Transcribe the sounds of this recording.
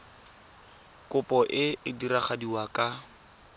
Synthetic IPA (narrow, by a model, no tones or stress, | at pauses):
kʼʊpʼɔʔɪɪdiɾaχadiwakʼa